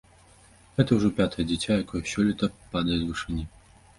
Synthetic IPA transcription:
ɣɛt̪ɐwʐɔpʲat̪ɐjɐd͡zʲɛt͡sʲajakɔjɛsʲɔlʲit̪ɐpad̪ɐjɛt̪ʲvɨʂɨnʲi

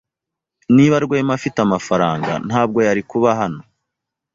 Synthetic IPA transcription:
niβaɾɡweːmafitamafaɾaːŋɡa̰n̥haːb̚ɡo̞jaɾikuβaɦano̞

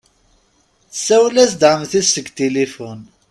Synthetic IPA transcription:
sæwlæsd̪ʕəmθisəɡt̪elifʊn

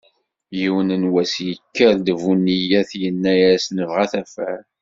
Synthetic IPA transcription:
jiwənənwæsjəkːəɾd̪vunːijæθjənːæjæsnəvʁæθæfæ

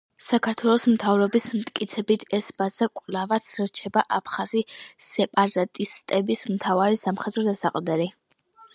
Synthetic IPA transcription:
sakʰaɾt̪ʰwɛlˠɔsmt̪ʰavɾɔbismt̪ʼkʼit̪sʰɛbit̪ʰɛsbazakʼvlavat̪sʰɾt͡ʃʰɛbaʔapʰχazisɛpʼaɾat̪ʼist̪ʼɛbismt̪ʰavaɾisamχɛd̪ɾɔd̪asaqʼd̪ɛɾi

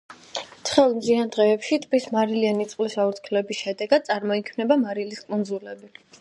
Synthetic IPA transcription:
t̪sʰχɛlˠmziand̪ʁɛːpʃit̪ʼpismaɾilianit̪sʼqʼlisaut̪kʰlɛbisʃɛd̪ɛɡad̪̚t̪sʼaɾmɔikʰmnɛbamaɾiliskʼund̪zulɛbi

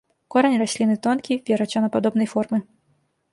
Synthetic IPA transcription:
kɔɾɐnʲiɾasʲlʲinɨt̪ɔnkʲivʲɛɾɐt͡ʃɔnɐpad̪ɔbnɐjfɔrmɨ

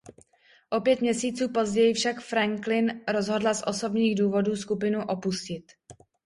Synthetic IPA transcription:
ʔo̞pjɛt̪mɲɛsiːt͡suːpo̞zɟɛjɪfʃakfɾaŋklɪnɾo̞zɦo̞dlasʔo̞so̞bɲiːɣduːvo̞duːskupɪnuʔo̞puscɪt̪

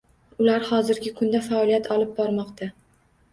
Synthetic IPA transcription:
ʊlaɾhɒzɪɾɡʲɪkʰʊnd̪afaɒlijat̪ʰɒlˠɪp̚bɒɾmɒqt̪ʰa

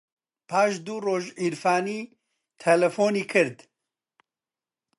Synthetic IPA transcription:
pʰaːʃd̪uːroːʒiɾfaːniː | t̪ʰɛlɛfoːniːkʰɨɾd̪

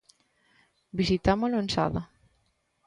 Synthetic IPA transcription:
bisit̪amolʊensa̰ða

